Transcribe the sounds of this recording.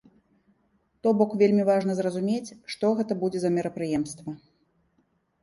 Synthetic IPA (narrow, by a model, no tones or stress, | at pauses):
t̪ɔbɔkvʲelʲmʲivaʐnɐzrɐzumʲet͡sʲʂt̪ɔɣɛt̪ɐbud͡zʲɛzɐmʲɛɾɐpɾɨjɛmst̪vɐ